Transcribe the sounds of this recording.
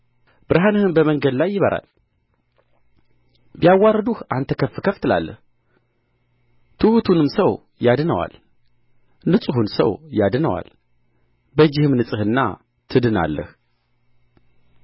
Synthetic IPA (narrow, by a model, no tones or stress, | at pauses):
b̥ɨɾɦanəhɨnbəməŋɡəd̪lajːɪβəɾʔa̰l | bijawːaɾəd̪uhʔant̪ʰəkʰəfːɨkʰəft̪ʰɨla̰lːə̰h | t̪ʰɨhut̪ʰunɨmsəw | jad̪nəwa̰l | nɨsʼɨhunsə̰wjad̪nəwa̰l | bəd͡ʒːɪhɨmnɨsʼɨhɨnːa̰ | t̪ʰɨd̪ɨna̰lːə̰h